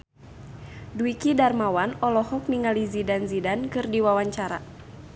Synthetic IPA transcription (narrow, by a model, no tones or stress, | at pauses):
duikidarmawanɔlɔhɔk̚niŋalizidanzidankɨrdiwawaɲt͡ʃaɾa̰